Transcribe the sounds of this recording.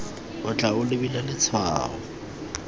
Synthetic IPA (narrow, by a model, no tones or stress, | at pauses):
ʊt͡ɬʼaʊlɪbilalɪt͡sʰwa̰ːhɔ